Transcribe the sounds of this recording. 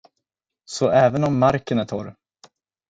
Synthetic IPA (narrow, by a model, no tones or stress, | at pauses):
sɔʔɛːvənɔmːaɾkənæʈ̪ʰɑ̰ːɾ